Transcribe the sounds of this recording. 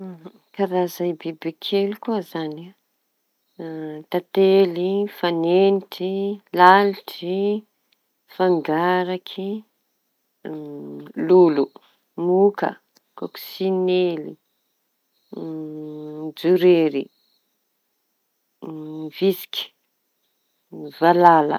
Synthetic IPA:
kaɾazajbibekʰelikuəzan | t̪at̪elifaneniʈ͡ʂilaliʈ͡ʂi | faŋɡaɾakʰi | lulu | mukə̰ | koku̥sinelḭ | d͡zuɾeɾi | visi̥kʲi̥ | valalə̰

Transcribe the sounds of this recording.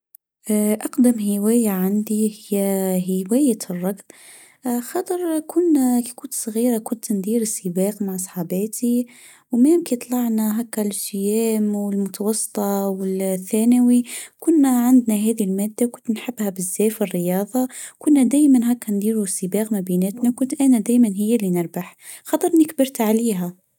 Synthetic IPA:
ʔɑqd̪amhɪwæːjaʕand̪ihɪjːæɦɪwæːjarˤːɑɡb | xɑt̪ˤəɾˤkʊnːækikʊnt̪sˤɣiːɾakʊnt̪nd̪iːɾɪsːibɑːqmaʕsˤħɑbæːt̪i | wmæmkit̪ˤlɑʕnaɦækːælsɪjæːmwɪlmʊt̪ɑwɑsˤːɨ̥t̪ˤɑwɪlθːæːnawikʊnːaʕand̪naɦæːðilmæːd̪ːawkʊnt̪nħabːhæbɪzːæːfɪrːɪjɑːðˤɑkʊnːæd̪æːjmænɦækːænd̪iːɾusːibɑːɣmæbiːnɪt̪nawkʊnt̪ʔænæd̪æːjmænɦɪjːælːinɪɾbaħ | xɑt̪ˤəɾˤnɪkbɪɾt̪ʕaliːɦæ

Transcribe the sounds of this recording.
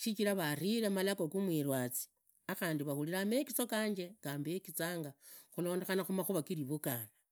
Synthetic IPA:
ʃit͡ʃiɾaβariɾemalakokumwiɾwat͡si̥ | axaːndiβaxuliɾame̞kit͡sokaːɲd͡ʒe̞kaːmbekit͡saːŋɡaxulo̞ːnde̞xanaxumaxuβakiɾiβukana

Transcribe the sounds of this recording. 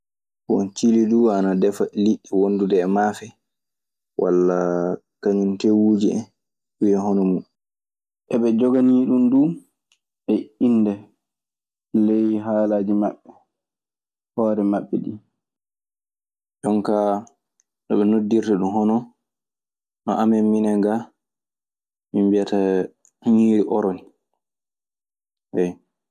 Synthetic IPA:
bɔnt͡ʃiliduanadɛfaliɗːiwondudɛːmaːfɛ | wʔa̰lːakaɲuntewuːd͡ʒiɛ | uwiɛhɔnɔmu | ʔɛɓɛd͡ʒɔɡaniɗunduː | ɓɛinːdɛ | lejɦaːlaːd͡ʒima̰ɓːɛ | hɔːɾɛmaɓːɛ̰ɗi | d͡ʒɔŋka | ɗɔɓɛnodːiɾtaɗumɦɔnɔ | nɔ̰ʔamɛmːinɛŋɡa | mimbiata | ɲiːɾiʔɔɾɔni | hɛj

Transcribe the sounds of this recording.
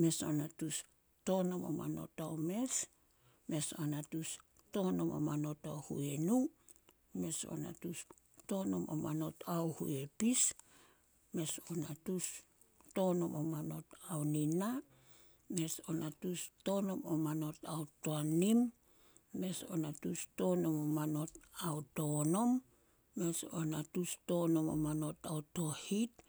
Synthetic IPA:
me̞so̞natus | to̞no̞mo̰ma̰no̞̰tawme̞s | me̞so̞natus | to̞no̞mo̰mano̞tawhṵe̞nu | me̞so̞̰na̰tus | tono̞mo̰mano̞tawhṵe̞pis | me̞sonatus | to̞no̞mo̰mano̞tawnina | me̞so̞̰natusto̞no̞momano̞tawtoanimː | e̞so̞̰natusto̞no̞momano̞tawto̞no̞mː | e̞so̞̰natusto̞no̞mo̰mano̞tawto̞hit̚

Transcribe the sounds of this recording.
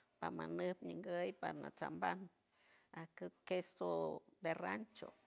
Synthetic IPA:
pamanɨpɲəŋɡəjpaɾna̰t͡samban | ahkɨkesod̪erant͡ʃo̰

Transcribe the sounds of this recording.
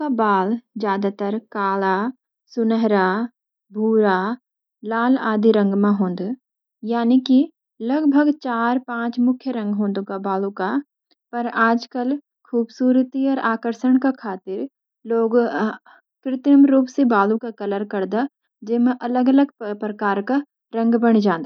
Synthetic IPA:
kabaːld͡ʒjaːd̪at̪əɾkaːla | sʊnəɦɾa | bʱuːɾa | laːlaːd̪ʱiɾə̃ŋɡmãɦõːnd̪ | jaːniki | ləɡbʱəɡt͡ʃaːɾpãːt͡ʃmʊkʰjəɾə̃ŋɡɦõːnd̪okabaːlũka | pɐɾaːd͡ʒkəl | kʰuːbsuːɾt̪iɔːɾʔaːkəɾʃəɳ̃kakʰaːt̪ɪɾ | loːɡ | kɾɪt̪əmɾuːpsebaːlũkakɐləɾkɐɾd̪a | d͡ʒɪmẽʔɐləɡələɡpɾəkaːɾka | ɾə̃ŋɡbəɽ̃d͡ʒãːnd̪a

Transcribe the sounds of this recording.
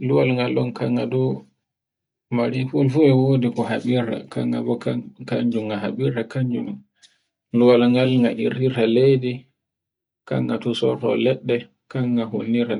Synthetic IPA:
luwalŋɡalɔnkʰaŋɡadɔ | maɾifulfuɛwoːdikɔhaɓiɾa̰kaŋɡa̰bɔkakaɲd͡ʒumɡaɦaɓiɾakaɲd͡ʒunun | luwalŋɡalŋɡaʔḭɾiɾalejdi | ka̰ŋɡatusɔtɔ̰lɛɗːɛ | kaŋːahonːiɾa

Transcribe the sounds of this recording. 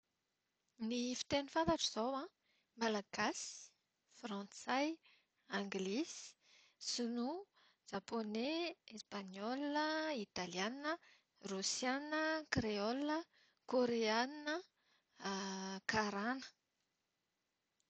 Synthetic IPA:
nifi̥t̪enifãnt̪aʈ͡ʂəz̥awã | malaɡ̥asi̥ | frɑ̃nt͡saj | ãŋɡlis | sunu | d͡ʒ̥aponeespaɲɔləit̪alianiə | rusjanəkreɔlə | koɾeaninə | kaɾanə̥

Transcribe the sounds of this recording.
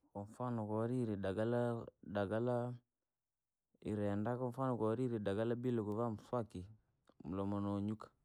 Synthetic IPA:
kɔɱfanokɔɾiɾidaɡaladaɡala | ḭɾɛndakɔɱfanokoɾiɾidaɡalabiloɡuvamswaki | mulomonoɲukḁ

